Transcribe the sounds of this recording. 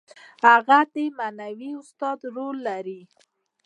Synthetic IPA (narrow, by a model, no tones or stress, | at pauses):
haɣad̪emanawiʊst̪ɑd̪ɾolːaɾi